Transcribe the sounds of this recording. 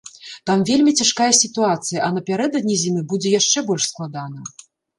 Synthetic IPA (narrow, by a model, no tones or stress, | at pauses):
t̪amvʲelʲmʲit͡sʲaʂkajɐsʲit̪uat̪sɨjɐʔɐnɐpʲaɾɛd̪ɐd̪̚ʲnʲizʲimɨbud͡zʲɛjaʂt͡ʂɛbɔlʲʂsklˠad̪anɐ